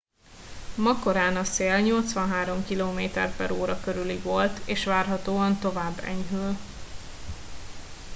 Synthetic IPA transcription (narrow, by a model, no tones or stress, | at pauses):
mɒko̞ɾaːnɒseːlɲo̞lt̪sʋɒnɦaːɾo̞mkiloːmeːt̪ɛ̰rpɛɾoːɾɒkøɾyliɡʋo̞lt̪eːʃʋaːrɦɒt̪oːɒnt̪o̞vaːbːɛ̰ɲɦøl